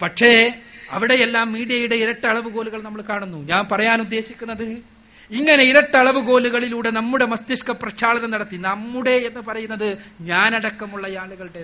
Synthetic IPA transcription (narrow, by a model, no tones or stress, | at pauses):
pɐʈʂe̞ɐʋiɽe̞jelːaːmːiːɽijɐjuɽe̞iɾɐʈːɨɐɭɐʋuɡo̞ːluɣɐɭnɐmːɐɭkaːɳunːuɲaːnpɐrɐjaːnud̪ːe̞ːɕikʲːunːɐðɨ | iŋːɐne̞iɾɐʈːɐɭɐʋɨɡo̞ːluɣɐɭiluːɽe̞nɐmːuɽe̞mɐst̪iʂkɐprɐɕʰaːɭɐðɐnɐɽɐt̪ːinɐmːuɽe̞ːnːɨpɐrɐjunːɐðɨɲaːnɐɽɐkːɐmuɭːɐjaːluɣɐɭɽe